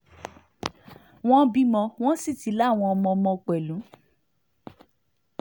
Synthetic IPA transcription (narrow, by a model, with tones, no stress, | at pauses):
w̃ɔ̃˦bi˦mɔ̃˧w̃ɔ̃˦si˦˨ti˨˦la˦˨w̃ɔ̃˧ɔ˧mɔ̃˧ɔ˧mɔ̃˧k͡pɛ˨lũ˨˦